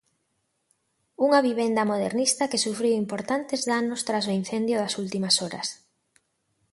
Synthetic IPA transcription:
uŋɐβiβ̞end̪ɐmoðḛɾnist̪ɐkesufɾiwimpoɾt̪ant̪ezðanʊst̪ɾas̬oin̟θend̪jʊðɐsult̪imɐsɔɾɐ̰s

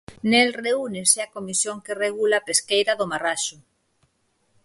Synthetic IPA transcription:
nelreuneseakomisjoŋkereɣulapeskejɾaðomaraʃʊ

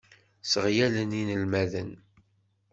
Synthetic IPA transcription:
səʁjæləninəlmæðən

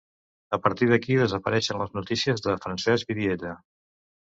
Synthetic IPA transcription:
əpəɾt̪iðəkiðəzəpəɾɛʃənləznut̪isiəzðəfɾənsɛzβiðiet̪ə

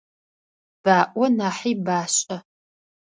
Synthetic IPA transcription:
b̥aːʔʷɔnaːħiːbaːɕʼɐ

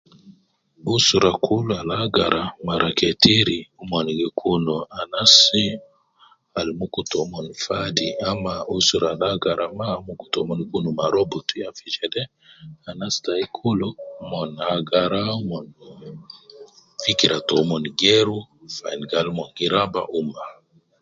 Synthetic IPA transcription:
usuɾakʰuloalaɡaɾʔamaɾʔaketiɾiumonɡekʰunoanasi | almukutomɔnfadiamausuɾalaɡaɾʔamamukutomɔnkunumaɾobotujafid͡ʒɛdɛ | anastaikʰulomɔnaɡaɾaumɔn | fikiɾatomɔnɡeɾufainɡalmɔnɡiɾaba̰ʔuma

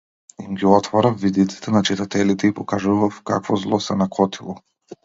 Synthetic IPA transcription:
imɡʲiɔt̪vɔɾafːid̪it̪si̥t̪ɛnat͡ʃit̪at̪ɛlit̪ɛipɔkaʒuvafkakvɔzlˠɔsɛnakɔt̪ʰilˠɔ

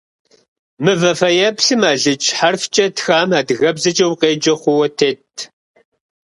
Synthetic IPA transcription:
mɨvɐfɐjɛpɬɨmaːɮɨt͡ʃʼħarft͡ʃʼɐtxaːmaːdɨɣɐbzɐt͡ʃʼɐwqeːd͡ʒɐχʷʊwɐtʰeːtʰ

